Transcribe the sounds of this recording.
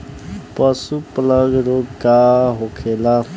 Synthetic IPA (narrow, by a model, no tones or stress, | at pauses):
pəsupləɡɾokaɦokʰeːla